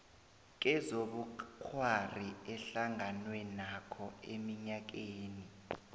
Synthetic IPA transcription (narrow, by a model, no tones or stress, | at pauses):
k̬ɛzoɓukʰwariɛɬaŋanwɛnakʰɔḛmiɲak̬eːni